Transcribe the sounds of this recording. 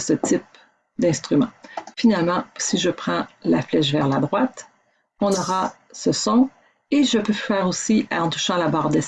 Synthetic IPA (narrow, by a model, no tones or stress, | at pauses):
sət̪ip̚ | d̪ɛ̃st̪χymɑ̃finalmɑ̃siʒəpχɑ̃laflɛʃ̬vɛʁlad̪ʁwat̪ | ɔ̃nɔʁa | səsɔ̃ | eʒəpøfɛːʁosiɑ̃t̪u̥ʃɑ̃labaʁd̪ɛ